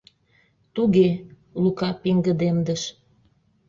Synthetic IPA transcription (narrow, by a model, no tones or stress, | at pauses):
t̪uɣe | lukɑpeŋɡəd̪emd̪əʃ